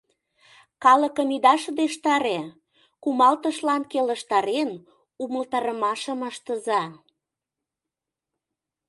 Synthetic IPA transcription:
kɑləkəmid̪ɑʃɤd̪eʃt̪ɑɾe | kumɑlt̪əʃlɑnkeləʃt̪ɑɾen | uməlt̪ɑɾəmɑʃəməʃt̪əzɑ

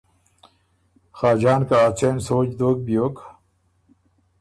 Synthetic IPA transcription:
xaːd͡ʑaːnkaːt͡sensoːd͡ʑd̪oːk̚bijokʰ

